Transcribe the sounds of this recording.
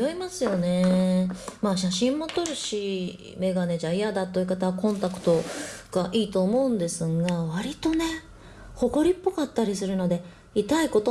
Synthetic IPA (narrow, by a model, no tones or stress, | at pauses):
joimasɨjo̞ne̞ | maːɕ̬aɕĩmːo̞t̪o̞ɾɯ̟ɕi | me̞ɡane̞d͡ʑaijad̪at̪ːoiɯ̟kat̪aβakõnt̪akɯ̟̥t̪o̞ɡ̥aʔiːt̪o̞ːmo̞ɯ̟̃nd̪e̞sɨɡaβaɾʲit̪o̞ne̞ | ho̞ko̞ɾʲipːo̞kat̪ːaɾʲisɨɾɯ̟no̞d̪e̞ | it̪aiko̞t̪o